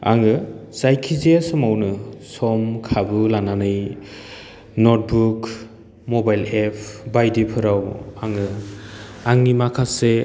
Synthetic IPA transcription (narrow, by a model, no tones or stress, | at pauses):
a̰ŋɯz̥ajkʰizeasɔmawnɯsɔmkʰabɯlananɯj | nɔt̚buk | mɔbajlepʰbajdipʰɯɾawaŋɯ | aŋnimakʰase